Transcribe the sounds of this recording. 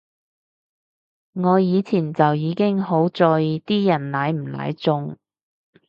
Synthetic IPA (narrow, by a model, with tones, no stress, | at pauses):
ŋɔː˨˧jiː˨˧t͡sʰiː˨˩nt͡sɐ˨wjiː˨˧kɪ˥ŋho˨˥wt͡sɔː˧jt̪iː˥jɐ˨˩nlaː˨˧jm̩˨˩la̰ː˨˧˥jt͡sʊ˧ŋ